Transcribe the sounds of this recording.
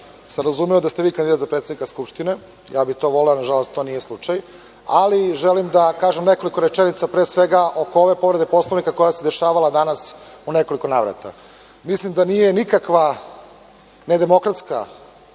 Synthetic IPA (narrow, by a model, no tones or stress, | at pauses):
samɾazumejod̪ast̪eʋiːkand̪id̪at̪zapɾet̪ed̪nikaskupʃt̪ine̞ | jaːbit̪o̞ʋo̞leonaʒalo̞st̪t̪o̞ːnije̞slˠut͡ʃaj | aliʒelimd̪akaːʒemne̞ko̞liko̞ɾet͡ʃenit̪sapɾesʋeɡaʔo̞kooʋe̞po̞ʋɾe̞d̪epo̞slˠoʋnikako̞jased̪e̞ʃaːʋalad̪anas | une̞ko̞liko̞naːʋɾa̰t̪a̰ | mislimd̪anijenikakʋa | ned̪e̞mo̞kɾat̪ska